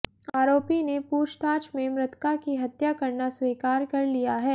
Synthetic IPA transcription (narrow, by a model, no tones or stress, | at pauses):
aːɾoːpinepuːʃt̪aːt͡ʃmẽmɾɪt̪kakiɦɐt̪jakɐɾnasweːkaːɾkɐɾlijaɦɛː